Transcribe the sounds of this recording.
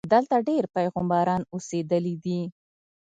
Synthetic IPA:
d̪əlt̪aɖeɾpajɣʊmbɑɾɑnosed̪əlid̪i

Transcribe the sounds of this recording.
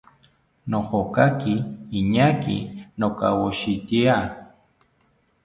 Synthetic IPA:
nohokakiːɲakḭnoka̰woʃit̪ia

